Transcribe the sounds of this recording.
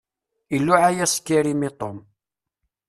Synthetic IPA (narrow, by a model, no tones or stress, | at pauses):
ilːʊʕajæskːiɾimit̪ˤom